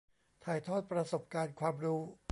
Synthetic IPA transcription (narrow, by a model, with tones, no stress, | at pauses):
t̪ʰaː˨˩jt̪ʰɔː˥˩t̪̚pɾa˧so˨˩p̚kaː˧nkʰwaː˧mɾuː˦˥